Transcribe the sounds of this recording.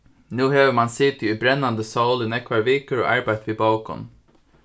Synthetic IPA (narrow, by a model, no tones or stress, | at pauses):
nʉːheːʋəmɑnsɪt̪ɪʉbɾɛnːand̪əsoʊlɪnɛkʋɑɹʋeːkəɾo̰ːʔɑɹbæɪt̪ʋiːbɑʊkɔ̰m